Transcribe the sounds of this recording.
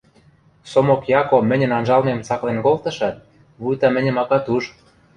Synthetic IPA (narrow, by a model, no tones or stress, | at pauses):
somokjɑkomɘ̆nʲə̆nɑnʒɑlmemt͡sɑklenkolt̪ɤ̆ʃɑt̪̚ | βujt̪ɑmɘ̆nʲɘ̆mɑkɑt̪uʒ